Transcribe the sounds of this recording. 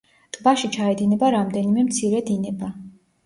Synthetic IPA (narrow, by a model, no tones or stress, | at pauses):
t̪ʼbaʃit͡ʃʰaɛd̪inɛbaɾamd̪ɛnimɛmt̪sʰiɾɛd̪inɛba